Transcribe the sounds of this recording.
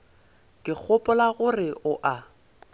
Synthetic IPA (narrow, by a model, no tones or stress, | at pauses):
kʼɪk͡xʰʊpʼʊlaɣʊrɪʔʊʔa